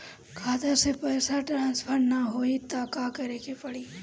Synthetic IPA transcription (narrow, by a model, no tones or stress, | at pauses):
kʰaːt̪əsepɛːsaʈɾãːnspʰəɾnaɦoːit̪aːkakɐɾekepɐɽiː